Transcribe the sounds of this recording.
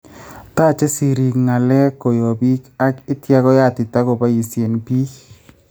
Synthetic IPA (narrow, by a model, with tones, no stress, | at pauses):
taː˦˨t͡ʃe˦si˨ɾi˨kŋa˨lɛ˦ko˨jo˨bi˦ka˦kɪ˦tja˦ɣɔ˦ja˦˨tɪ˨ta˦ko˨ba˦ji˨sje˨npiː˦